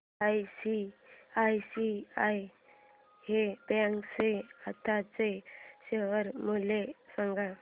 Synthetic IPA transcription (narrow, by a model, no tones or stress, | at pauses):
ajsiajsiaj | hebakseat̪ʰat͡seɕeʋəɾmulesãŋɡa